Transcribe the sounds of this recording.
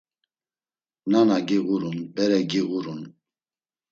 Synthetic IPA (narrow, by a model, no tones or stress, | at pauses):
nanaɡiɣuɾunbɛɾɛɡiɣuɾun